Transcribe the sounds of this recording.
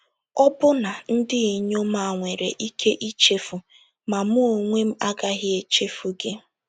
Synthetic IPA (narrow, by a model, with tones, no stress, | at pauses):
ɔ˦bʊ˦na˨n̩˦dɪ˦i˨ɲo˦ma˨ŋʷe˨ɾḛ˨ʔi˦kʰe˦ʔi˦t͡ʃe˦fu˨ | ma˨mʊ˦o˨ŋʷe˦m̩˦a˦ɡa˦ɦɪ˦e˨t͡ʃe˦fu˨ɡe˦